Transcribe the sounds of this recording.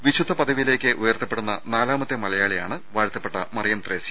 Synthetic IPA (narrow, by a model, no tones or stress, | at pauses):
ʋiɕud̪ʱːɐpɐd̪ɐʋijle̞ːkʲːɨʔujɐrt̪ːɐpːe̞ɽunːɐ̰naːlaːmɐt̪ːjɐmɐlɐjaːɭija̰ːɳɨʋaːɾt̪ʰːɐpːe̞ʈːɐmɐrijɐmt̪reːsi